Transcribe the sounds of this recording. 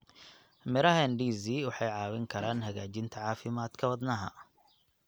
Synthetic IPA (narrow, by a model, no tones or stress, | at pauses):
mɪɾɐɦɐɛnɖiːziːwɑħɑjʕɑːwɪŋkʰɐɾaːnɦɐɣaːt͡ʃɪnt̪ʰɐʕɑːfɪmaːd̪kʰɐwɐd̪nɐɦɐ̰